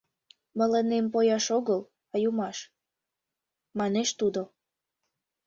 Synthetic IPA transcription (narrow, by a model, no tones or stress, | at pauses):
mə̆lənempojɑʃoɣəl | ɑjumɑʃ | mɑneʃt̪ud̪o